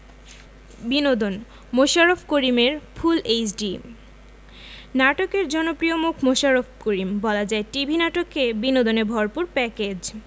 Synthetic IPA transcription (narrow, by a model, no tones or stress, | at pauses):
binod̪on | moʃaɾofʰkoɾimeɾfʰulet͡ɕɖi | naʈokeɾd͡ʑɔnopɾijomukʰmoʃaɾofʰkoɾimbɔlad͡ʑaeʈibʱinaʈokːebinod̪onebʱɔɾpuɾpɛked͡ʑ